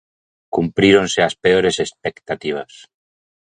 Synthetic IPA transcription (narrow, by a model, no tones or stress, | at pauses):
kumpɾiɾonseaspeoɾesespekt̪at̪iβ̞as